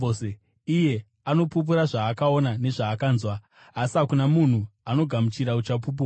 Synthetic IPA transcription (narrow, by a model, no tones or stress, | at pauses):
e | ije̞ | ano̞pup̬uɾaʐaːkao̞nane̞ʐaːkaːnzwaː | sakunamun̤uano̞ɡʱamut͡ʃiɾaut͡ʃap̬up̬ua